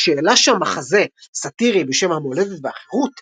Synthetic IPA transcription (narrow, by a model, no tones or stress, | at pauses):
ʃeːlaʃaamaχaze̞sat̪iʁibeʃe̞mhamole̞det̪veaχeʁut